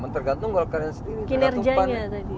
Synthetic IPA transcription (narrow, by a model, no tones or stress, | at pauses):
mant̪ərɡant̪ʊŋɡolakadasəndiɾikinərd͡ʒaaɲat̪adi